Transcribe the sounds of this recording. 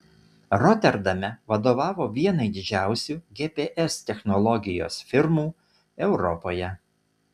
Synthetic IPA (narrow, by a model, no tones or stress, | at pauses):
ɾɔt̪ʲɛɾd̪ɐmʲɛʋɐd̪oːʋɑːʋoːʋʲiɛnɐɪd̪ʲɪd͡ʒʲæˑʊsʲuːɡʲeːpʲeːʔɛst̪ʲɛxnɔlˠɔɡʲɪjo̰ːsfʲɪɾmuː | ɛʊɾɔpoːjɛ